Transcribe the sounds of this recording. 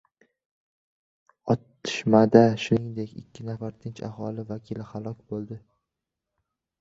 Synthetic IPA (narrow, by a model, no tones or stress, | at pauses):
ɒt̪ːɪ̥ʃmad̪aʃʊnɪŋd̪e̞kʲɪ̰kʲʰːɪnafaɾt̪ʰɪnt͡ʃa̰hɒlɪvakʲʰilɪhalˠɒkʲbolˠd̪ɪ